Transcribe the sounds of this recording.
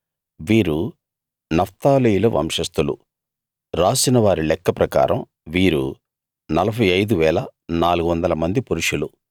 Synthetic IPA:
ʋiːɾu | nɐft̪aːlijulɐʋʔɐ̰mʂɐst̪ulṵ | ɾaːsinɐʋaːɾilɛkːɐpɾɐka̰ːɾɐm | ʋiːɾṵ | nɐlɐpɐjɐjd̪uʋɛːlɐnaːluɡuʋɐnd̪ɐlɐmɐnd̪ipuɾuʂulu

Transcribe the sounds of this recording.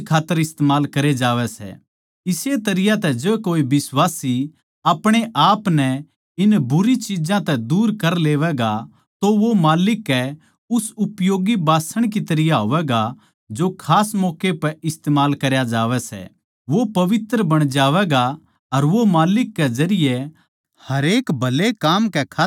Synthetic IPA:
kʰaːt̪ːəɾɪst̪eːmaːlkɐɾed͡ʒaːʋɛsɛ̰ | ɪset̪ɐɾɪjat̪ɛd͡ʒebkoːibɪsʋaːsi | apɽ̃eʔaːpnɛ | ɪnbʊɾit͡ʃɪd͡ʒãt̪ɛd̪uːɾkɐɾleːʋɛɡa | t̪oʋomaːlɪkːɛ | ʊsʊpjoːɡibaːsəɽ̃k̬it̪ɐɾɪjaɦoːʋɛɡa | d͡ʒokʰaːsmɔːkepɛɪst̪eːmaːlkɐɾjad͡ʒaːʋɛsɛ̰ | ʋopɐʋɪt̪ɾəbɐɽ̃d͡ʒaːʋɛɡa | ɐɾʋomaːlɪkːɛd͡ʒɐɾɪjɛ | hɐɾeːkbʱɐlekaːmkɛkʰa

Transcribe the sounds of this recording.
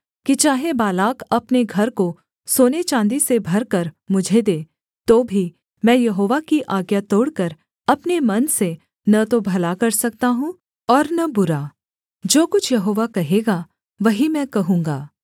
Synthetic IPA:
kit͡ʃaːɦebaːlaːkɐpneɡʱɐɾko | soːnet͡ʃãːnd̪isebʱɐɾkɐɾmʊd͡ʒʱed̪eː | t̪oːbʱi | mɛ̃ːjɐɦoːʋakiʔaːɡjat̪oːɽkəɾ | ɐpnemɐnse | nɐt̪obʱɐlakɐɾsɐk̚t̪aɦũ | ɔːɾnɐbʊɾaː | d͡ʒoːkʊt͡ʃʰjɐɦoːʋakɐɦeːɡa | ʋɐɦimɛ̃ːkɐɦũːŋɡaː

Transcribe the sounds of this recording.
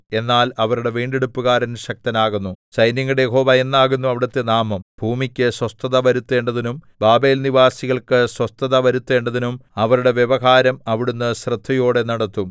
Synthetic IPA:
e̞nːaːlɐʋɐɾuɽe̞ʋiːɳɖeɽupːuɣaːɾenɕɐk̚t̪ɐnaːɣunːut͡ɕɐjnjɐŋːɐɽejeɦo̞ːʋɐe̞nːaːɣunːuɐʋiɽɐt̪ːenaːmɐmb̥ʱuːmikʲːɨswɐst̪ɐðɐʋɐɾut̪ːe̞ːɳɖɐðinum | baːbe̞ːlniʋaːsiɣɐɭkɨswɐst̪ɐðɐʋɐɾut̪ːe̞ːɳɖɐðinumɐʋɐɾuɽe̞ʋjeʋɐɦaːɾɐmɐʋiɽunːɨɕrɨd̪ʱːɐjoːɽe̞nɐɽɐt̪ːum

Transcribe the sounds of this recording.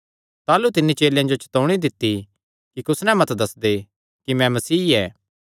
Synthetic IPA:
t̪aːlut̪ɪnːit͡ʃeːljãd͡ʒot͡ʃɐ̥t̪oʊɽ̃id̪ɪt̪ːi | kikʊsnɛ̃mɐt̪d̪ɐsd̪e | kimɛ̃mɐsiːɛː

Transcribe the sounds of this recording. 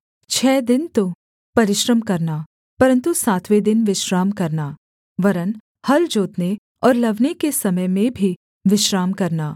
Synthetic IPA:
t͡ʃʰɛːd̪ɪnt̪o | pɐɾɪʃɾəmkɐɾnaː | pɐɾə̃nt̪usaːt̪ʰʋed̪ɪnʋɪʃɾaːmkɐɾnaː | ʋɐɾən | hɐld͡ʒoːt̪ne | ɔːɾlɐʋnekesɐməjmẽbʱi | ʋɪʃɾaːmkɐɾnaː

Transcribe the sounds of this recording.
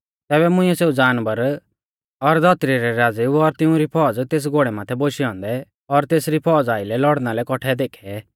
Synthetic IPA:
t̪ɛːbɛmʊ̃ɪ̃ɛseːud͡zaːnbəɾ | ɔɾd̪ʱɔt̪ɾiɾɛɾaːd͡ziːbɔɾt̪ɪũɾipʰɔːd͡zt̪eːs̬ɡoːɽɛmaːt̪ʰɛboʃiɔ̃ːnd̪ɛ | ɔɾt̪eːsɾipʰɔːd͡zaːɪlɛlɔɽnalɛkɔʈʰɛd̪eːkʰɛ

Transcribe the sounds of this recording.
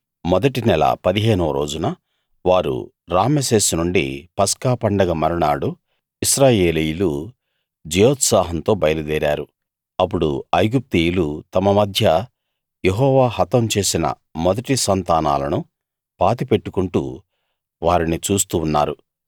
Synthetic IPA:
mɔd̪ɐʈinɛlɐ̰pɐd̪iɦeːnɐʋɐɾo̞̰ːd͡ʒunɐ | ʋaːɾṵ | ɾaːmese̞ːsnuɳɖḭpɐskaːpɐɳɖɐɡɐmɐɾɐɳaːɽu | isɾaːje̞ːlijulu | d͡ʒɛjoːt̪saːɦɐnt̪o̞ːbɐjɐlud̪ɛːɾa̰ːɾu | ɐp̬ːuɽṵɐjɡup̚t̪iːjulut̪ɐmɐmɐd̪ʱjɐ | jeɦɔːʋaːhɐt̪ɐmt͡ʃe̞ːsinɐ̰ | mɔd̪ɐʈisɐnt̪aːna̰ːlɐnu | paːt̪ipe̞ʈːukuɳʈṵ | ʋaːɾinit͡ʃuːs̬t̪uːnːa̰ːɾu

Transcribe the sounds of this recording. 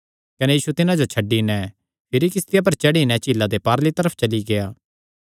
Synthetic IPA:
kɐnejiːsut̪ɪnãd͡ʒot͡ʃʰɐɖːinɛ̃ | pʰɪɾikɪst̪ɪjap̬ɐɾt͡ʃɐɽinɛt͡ʃilːad̪epaːɾlit̪ɐɾəpʰt͡ʃɐliɡeaː

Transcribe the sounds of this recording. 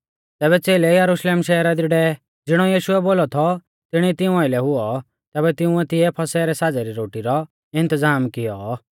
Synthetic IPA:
t̪ɛːβɛt͡seːlejɐɾuʃleːmʃɛːɾad̪iɖɛ | d͡zɪɽ̃ɔjiːʃʊɛboːlɔt̪ʰɔ | t̪ɪɽ̃it̪ɪũaɪlɛɦʊɔ | t̪ɛːbɛt̪ɪũɛt̪ɪjɛpʰɐsɛːɾɛsad͡zɛɾiɾoːʈiɾɔ | ɪ̃nt̪əzaːmkɪjɔ

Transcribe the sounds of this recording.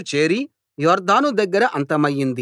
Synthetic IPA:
t͡ʃe̞ːɾi | jɔːɾd̪aːnud̪ɐɡːɐɾɐʔɐnt̪ɐmɐjːind̪i

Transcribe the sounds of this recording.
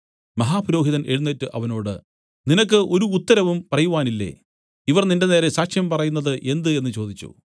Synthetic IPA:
mɐɦaːpɐɾo̞ːɦiðɐneɻunːeːtːɨʔɐʋɐno̞ːɽɨ̰ | ninɐk̬ːɨʔo̞ɾuːt̪ːɐɾɐʋumpɐrɐjuʋaːnilːḛː | iʋɐrninde̞neːɾesaːkʂjɐmpɐrɐjunːɐðɨʔe̞nd̪ɨe̞nːɨt͡ɕo̞ːd̪it͡ɕːṵ

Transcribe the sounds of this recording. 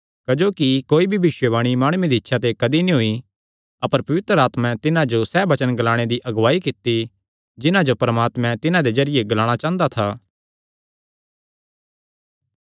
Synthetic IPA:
kɐd͡ʒoːkikoːibʱibɪʃwəʋaːɽ̃imaːɽ̃ʊed̪iɪtːʃʰat̪ekɐd̪inĩɦʊi | ɐpəɾpɐʋɪt̪ɾəaːt̪mɛ̃t̪ɪnãd͡ʒosɛːbɐt͡ʃənɡɐlaːɽ̃ed̪iʔɐɡʋaːikɪt̪ːi | d͡ʒɪnãd͡ʒopɐɾmaːt̪mɛ̃t̪ɪnãd̪ezɐɾɪjeɡɐlaːɽ̃at͡ʃãːnd̪at̪ʰaː

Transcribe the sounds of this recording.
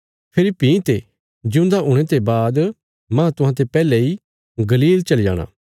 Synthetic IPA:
pʰɪlipːĩt̪e | d͡ʒɪʊ̃nd̪aʊ̃ɽ̃et̪ebaːd̪ | mãt̪ʊɦãt̪̬epɛːlei | ɡɐliːlt͡ʃɐlija̰ːɽ̃ã̰ː

